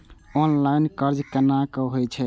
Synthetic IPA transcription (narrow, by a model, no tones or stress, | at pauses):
ɔnlainkəɾd͡ʒkenakɔɦojt͡ʃʰɛ